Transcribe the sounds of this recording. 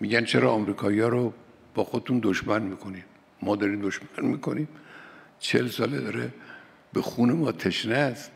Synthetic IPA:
miːɟænt͡ʃʰeɾɒːmɾiːkʰɒːijɒːɾo | b̥ɒːxod̪et̪und̪oʃmænmiːkʰo̞nid | mɒːd̪ɒːɾiːmd̪oʃmænmiːkʰo̞niːm | t͡ʃʰelsɒːled̪ɒːɾe | b̥exuːnemɒːt̪ʰeʃnæz

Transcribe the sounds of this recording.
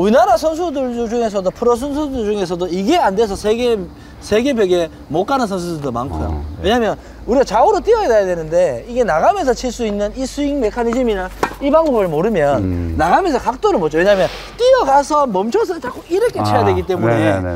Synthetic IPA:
uinaɾasʰʌns̬ʰudɯɭd͡ʑuŋe̞s̬ʰʌdopʰɯɾʌs̬ʰʌnsʰudɯɭd͡ʑuŋe̞s̬ʰʌdoiɡe̞ande̞s̬ʰʌsʰeɡe | sʰe̞ɡe̞beɡe̞ | mok͈anɯnsʰʌns̬ʰudɯɭdoma̰nkʰujo̰we̞ɲamjʌn | uɾiɡat͡ɕaoɾot͈iʌedejadwenɯnde̞iɡe̞naɡames̬ʰʌt͡ɕʰiɭs͈uinːɯnisʰuiŋme̞kʰanid͡ʑimiɾaibaŋbobɯɭmoɾɯmjʌnːaɡamesʰʌkak̚t͈oɾɯɭmot͡ɕ͈owe̞ɲamjʌn | t͈iʌɡasʰʌmʌmt͡ɕʰʌs̬ʰɯnɯt͡ɕak͈oiɾʌkʰe̞t͡ɕʰejadwe̞ɡit͈e̞mune

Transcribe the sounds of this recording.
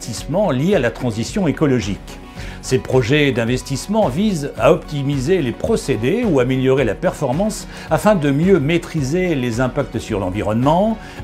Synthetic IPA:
t̪ismɑ̃ljealat̪χɑ̃zisjɔ̃ekɔlɔʒḭk | sepχɔʒɛd̪ɛ̃vɛst̪ismɑ̃vizaɔpt̪imizelepχɔsed̪euameljɔʁelapɛʁfɔʁmɑ̃s | afɛ̃d̪əmjømet̪χizelezɛ̃pak̚t̪syʁlɑ̃viʁɔnmɑ̃

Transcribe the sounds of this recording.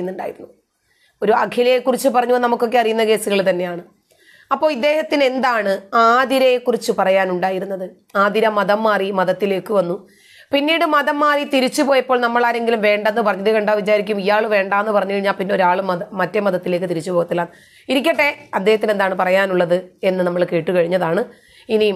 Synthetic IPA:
nːuɳɖa̰ːjiɾnː | o̞ɾuɐkʰjilɐjekːurit͡ɕːɨpɐrɐɲːunɐmukːo̞kːe̞ɐrijunːɐke̞ːsuɣɐɭt̪ɐnːe̞jaːɳɨ | ɐpːo̞ːɭid̪ːe̞ːhɐt̪ːine̞nd̪aːɳɨaːd̪iɾɐjekːurit͡ɕːɨpɐrɐjaːnuɳɖaːjiɾunːɐðɨ | aːd̪iɾɐmːɐðɐmːaːrimɐðɐt̪ːile̞ːkːɨʋɐnːu | pinːiːɽɨmɐðɐmːaːrit̪iɾit͡ɕːupo̞ːjɐpːoːɭnɐmːɐɭaːɾe̞ŋɡilumʋe̞ːɳɖɐnːɨpɐrɐɲːɐðekɐɳɖaːʋit͡ɕaːɾikʲːumijaːɭʋe̞ːɳɖaːenːɨpɐrɐɲːukɐɻiɲːaːlpinːe̞o̞ɾaːɭɨmɐðɐmɐtːemɐðɐt̪ːile̞ːkːɨt̪iɾit͡ɕːupoːɣɐt̪ːilan | iɾikʲːɐʈːe̞ɐd̪ːe̞ːhɐt̪ːinend̪aːɳɨpɐrɐjaːnuɭːɐðɨe̞nːɨnɐmːɐɭke̞ːʈːɨkɐɻiɲːɐðaːɳɨ | ini

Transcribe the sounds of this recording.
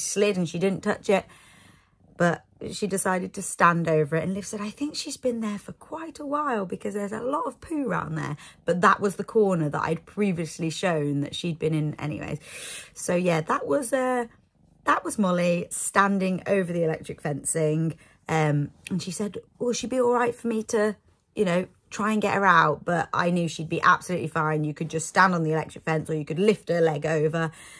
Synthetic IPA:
slɪdə̃n̩ʃidɪdⁿn̩tʰʌt͡ʃɪʔ̚ | b̥ʌʔ | ʃidɪsaɪɾɨd̚tʰəstãndoʊvəɹɪʔə̃nlɪv̥sɛɾaɪθɪ̃ŋkʃizbɨ̃nðə˞fə˞kʰw̥aɪtʰəwaɪlˠbɪkʰʌzðə˞zə̰lɔtəv̥pʰʉːɹã̰ʊ̃nðə̰˞b̥ʌt̪̚ðəʔwʔʌzðəkʰɔɹnə˞ðəta̰ɪd̚pʰɹ̥iviəsliʃõʊ̃nðɨ̰tʃid̚bɨ̃nɪ̃nɛ̰ñḭwḛɪz̥soʊjæðəʔwɒzʌ | ðəʔwɒzmʌlistãndɪ̃ŋo̰ʊvə˞ðiɪlɛ̰k̚t͡ʃɹ̥ɪkfɛ̃nsɪ̃ŋ | ʔʌ̃mə̃nʃisɛdwɛlˠʃid̚biɔlˠɹaɪtfəmitʰə | jʔɨnoʊtʰɹ̥aɪə̃nɡɛʔə˞aʊt̚b̥ʌta̰ɪnjʉʃid̚biʔa̰b̥səlʉˑʔlifãɪ̃njɨkʰɨd̚d͡ʒʌststãndn̩ðiɪlɛ̰k̚tɹ̥ɪkfɛ̃nsəjɨkədˡlɪftəlɛɡoʊvə

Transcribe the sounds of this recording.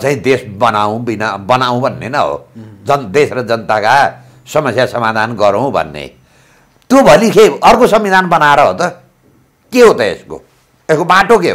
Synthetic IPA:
t͡saĩd̪esbʌnaũbinabʌnaw̃bʱʌnːḛnʌɦo̰d͡zʌnd̪esrʌd͡zʌnt̪aka | sʌmʌsjasʌmad̪ʱanɡʌɾow̃bʱʌ̰nːḛ | t̪jobʱʌlikʰeʌrkosʌmːid̪ʱanbʌnaɾʌɦo̰t̪ʌ | keɦot̪ʌḛsko̰ | eskobaʈok̬eɦo̰

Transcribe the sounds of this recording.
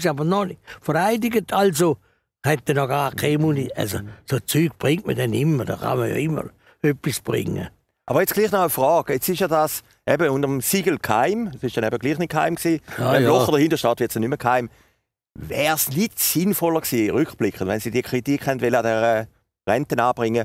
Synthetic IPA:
sabənɔnɪfəɾaɪdɪɡətʰalzo | hɛt̚dɛnɔɡaːɾkʰaɪmunia̰lzosot͡syːɡ̚b̥ʁɪŋt̚mə̰dɛnɪmːəd̥ɑ̰χɑ̰məjɑ̰ɪmːə̰ɾ | œpːisb̥ʁɪ̰ŋːə̰ | ʔɑbɐʁjet͡sɡ̥liːχnɔəfʁɔːɡet͡sɪʃjadas | ʔɛbəundəʁəmsiɡəl̩kʰhaɪmsɪʃd̥ɛnɛbəɡliːχnit̚khaɪmksiːɛlɔχədəɐhindəʃtaːt̪ʋɪɐtsɛnyməkʰhaɪm | vɛːsnitsɪnfɔləksiːʁʏykχb̥lɪkχəndvʋɛnsiːdiəkʰʁ̥itikχhɛndʋɛləadɛʁə | ʁɛntənaːb̥ʁɪŋːə

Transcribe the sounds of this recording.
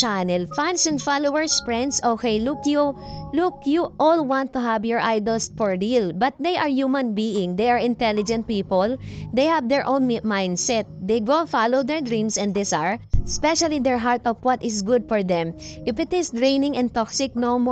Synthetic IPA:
anɛlfãnsɛ̃nfalowɛɹsfɹɛ̃nd̪soːkejlʊkjulʊkjuʔɔlwãnt̪ːʊɦavjɔɹʔajd̪ɔlsfɔɹdilbɐt̪̚d̪ejʔaɹjumãnbiɪ̃ŋd̪ejaɹɪ̃nt̪ɛlɪd͡ʒɛ̃nt̪̚piːpɔld̪ejhavd̪ɛɹʔõw̃nmãj̃nd̪sɛt̪̚d̪ejɡofalowd̪ɛɹd̪ɹĩnsɛ̃ndɪsaɹspɛʃalid̪ɛɹɦaɹt̪ɔvwɔt̪ɪsɡʊd̪̚fɔɹd̪ɛ̃mʔɪfɪt̪ɪsd̪ɹẽɪnɪ̃ŋɛ̃nt̪ɔksɪk̚nomɔ

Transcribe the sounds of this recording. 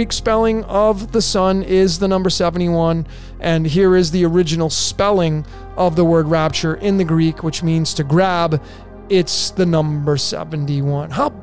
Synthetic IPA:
ikspɛlˠɪ̃ŋʌvðəsʌ̃nɪzðɨnʌ̃mbə˞sɛṽn̩iwʌ̃n | ʔɨ̃nɦiɹɪzðiə˞ɪd͡ʒɨnl̩ˠspɛlˠɪ̃ŋ | ʔʌvðəwɜ˞d̚ɹæp̚t͡ʃə˞ʔɪ̃nðɨɡɹikʰwɨt͡ʃmĩnz̥tʰɨɡɹæb | ɪtsðɨnʌ̃mbə˞sɛ̰vɨ̃n̩tiwʌ̃nɦaʊ

